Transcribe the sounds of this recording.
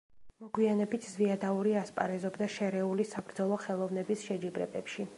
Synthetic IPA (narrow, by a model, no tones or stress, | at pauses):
mɔɡwianɛbit̪ʰzviad̪auɾiaspʼa̰ɾɛzɔbd̪aʃɛɾɛulisabɾd̪zɔlˠɔχɛlˠɔvnɛbisʃɛd͡ʒibɾɛ̰bɛpʃi